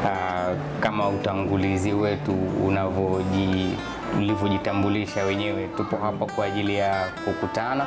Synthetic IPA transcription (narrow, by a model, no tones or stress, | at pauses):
a | kamautaŋɡuliziwɛtṵːnavɔʄi | ulivjɔʄitambuliʃawɛɲɛwɛtupɔɦapakwaːʄilijakukutana